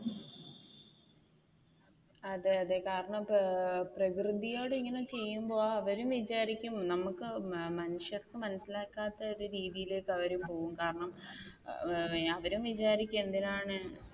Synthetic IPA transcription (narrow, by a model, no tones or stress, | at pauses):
ɐðɨɐðekaːɾɐɳɐmprɐkrɨðijo̞ːɽiŋːɐnemt͡ɕe̞jːumbo̞ːɐʋɐɾumʋit͡ɕaːɾikʲːumnɐmukːɨmɐnuʂjɐrkɨmɐnɐsilaːkːaːt̪ːɐoðuɾiːðijile̞ːkːɐʋɐɾumpo̞ːɣumkaːɾɐɳɐm | ɐʋɐɾumʋit͡ɕaːɾikʲːumend̪inaːɳɨ